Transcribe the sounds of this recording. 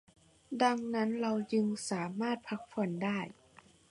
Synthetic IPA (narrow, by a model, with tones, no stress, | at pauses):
da˧ŋna˦˥nɾa˧wjɯ˧ŋsaː˩˦maː˥˩t̪̚pʰa˧˦˥k̚fɔ˨˩˦ndaː˥˩j